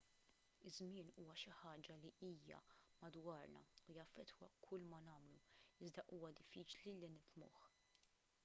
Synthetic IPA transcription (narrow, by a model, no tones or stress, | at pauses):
ɪzmɪːnuːwɐʃɪħɐːd͡ʒɐliiːjɐ̰mɐd̪wɐːɾnɐ̰ujɐfːɛt̪wɐ̰kʰʊlːmɐnɐːmluɪzd̪ɐʔuːwɐd̪ɪfːiːt͡ʃlilinɪfmʊ̰ːħ